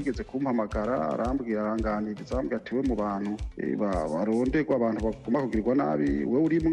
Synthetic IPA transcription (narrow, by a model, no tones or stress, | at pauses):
ɡeze̞kumhamaɡaɾa̰a̰ɾʔaːmbɡiaɾaːŋɡaːniɾizaːmbɡiatʰewemuβaːn̥hṵβaβaɾoːndeɡwaːβaːn̥huβaɡumakuɡiɾiɡwana̰βiwewuɾimu